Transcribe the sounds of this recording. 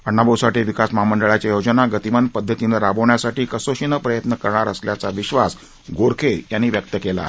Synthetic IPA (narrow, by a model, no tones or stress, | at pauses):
əɳːabəwsaʈiːʋikasmaməɳɖəɭat͡ɕajod͡ʑənaɡət̪imənpəd̪ʱːət̪inəɾabəʋɳjasaʈiːkəsoɕinəpɾəjət̪nəkəɾɳaɾəsljat͡saʋiɕʋas | ɡoɾkʰejanːiːʋjək̚t̪əkela̰